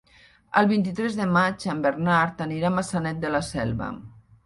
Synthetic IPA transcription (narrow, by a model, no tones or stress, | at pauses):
ə̰lˠβint̪̬it̪ɾɛzðəmat͡ʃambərnaɾt̪əniɾamasanɛt̪̚d̪ələsɛlˠβə̰